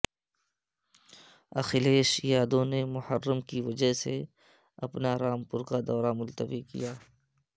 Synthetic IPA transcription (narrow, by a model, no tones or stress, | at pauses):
ɐ̰xɪleːʃjaːd̪õnemʊhəɾːəmkiʋɐd͡ʒəɦse | ɐ̰pnaɾaːmpʊɾkad̪ɔːɾamʊlt̪əʋikḭjaː